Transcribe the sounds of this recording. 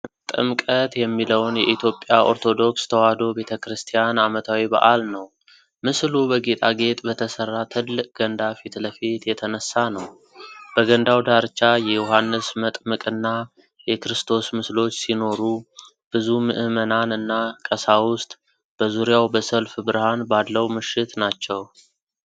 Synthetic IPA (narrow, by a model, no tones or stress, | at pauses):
t̪ʼɨ̰mkʼət̪jɛmːiləwnjɛʔit̪ʰjo̞pʼːjaʔo̞̰ɾt̪ʰo̞d̪o̞kst̪ʰəwad̪o̞be̞t̪ʰəkɾɨst̪ʰijanamət̪ʰawiba̰ʔalnəw | mɨslubəɡe̞t̪ʼaɡe̞t̪ʼbət̪ʰəsərːat̪ʰɨlːɨkʼɡ̥ənd̪afit̪ləfet̪jɛt̪ʰənəsːanəw | b̥əɡənd̪awd̪aɾt͡ʃːajɛjuɦanːɨsmət̪ʼmɨkʼɨnːa | jɛkɾɨst̪ʰo̞smɨslo̞t͡ʃːsino̞ɾu | b̥ɨzumɨʔɨmənanɨnːakʼəsawʊst̪ʼ | b̥əzuɾijawbəsəlfbɨɾhanbalːəwmɨʃɪt̪nat͡ʃːɛw